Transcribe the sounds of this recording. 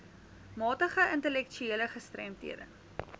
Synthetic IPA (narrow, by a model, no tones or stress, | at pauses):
mɑːtəχəəntəlɛkt͡ʃyeːləχəstrɛ̰mtḭədə̰n